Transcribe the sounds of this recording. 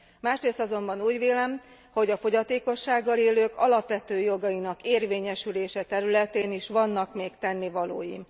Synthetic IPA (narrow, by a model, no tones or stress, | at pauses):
maːʃreːst̪ɒzo̞mbɒnuːɟʋeːlɛm | ho̞ɟɒfo̞ɟɒt̪eːko̞ʃːaːɡːɒleːløːkɒlɒpʋɛt̪øːjo̞ɡɒjinɒkeːrveːɲɛʃyleːʃɛt̪ɛɾylɛt̪eːniʃʋɒnːɒkmeːkt̪ɛnːivɒlo̰ːjḭ